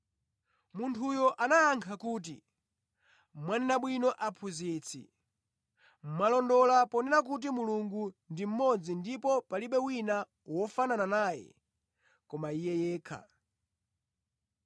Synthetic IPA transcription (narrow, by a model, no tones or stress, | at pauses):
muntʰujɔʔanajaŋkʰakuːt̬ḭ | mwanɛnaɓwinɔʔapʰuzit͡sʰḭ | m̩malɔndɔlapɔnɛnak̬ut̬imuluŋɡundim̩mɔd͡zindipɔpaliɓɛwina | wɔfanananaːjɛ̰ | kɔmaijɛjɛːkʰa̰